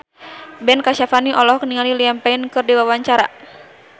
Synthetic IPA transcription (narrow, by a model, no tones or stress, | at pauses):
bɛnkaʃafaniʔɔlɔhkniŋaliliampainkɨrdiwawaɲt͡ʃaɾa̰